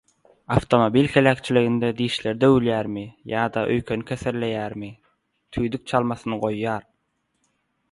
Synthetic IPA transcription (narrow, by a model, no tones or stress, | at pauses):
ɑft̪ʰo̞mobilʲhelæːkt͡ʃʰiliɣind̪ed̪iːʃle̞ɾd̪øwylʲjæːɾmijɑːd̪ɑʔøjkʰønikʲʰeseɾle̞jæːɾmi | t̪ʰyjd̪yk̚t͡ʃʰɑlˠmɑθɯnɯɢo̞jːɑːɾ